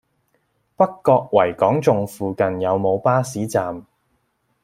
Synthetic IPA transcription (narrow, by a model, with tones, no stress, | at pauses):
pɐ˥kːɔː˧k̚wɐ˨˩jkɔː˨˥ŋt͡sʊ˨ŋfuː˨kɐ˨njɐ˨˧wmo˨˧wpaː˥siː˨˥t͡saː˨m